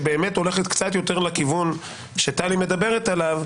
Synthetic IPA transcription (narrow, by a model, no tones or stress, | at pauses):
be̞ːme̞to̞le̞χet̪kt͡sat̪jo̞te̞ʁlakivun | ʃeat̪alime̞d̪abe̞ʁet̪alav